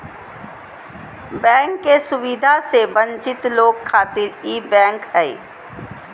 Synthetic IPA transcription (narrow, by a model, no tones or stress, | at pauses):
bɛ̃ːŋkːesʊʋɪd̪ʱasebə̃ɲt͡ʃɪt̪loːɡkʰːaːt̪ɪɾiːbɛ̃ːŋkɦɛː